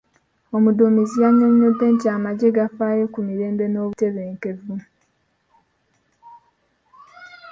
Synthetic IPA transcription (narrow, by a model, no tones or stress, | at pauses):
o̞mudomizijaɲoɲɲode̞ntiaːmaɟe̞ɡafaːjo̞kumiɾe̞ːmbe̞no̞ːβute̞βe̞ːŋke̞vu